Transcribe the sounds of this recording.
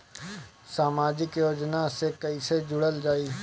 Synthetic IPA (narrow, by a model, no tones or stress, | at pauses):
saːmaːd͡ʒɪkjoːd͡ʒnasekəised͡ʒʊɽəld͡ʒaːiː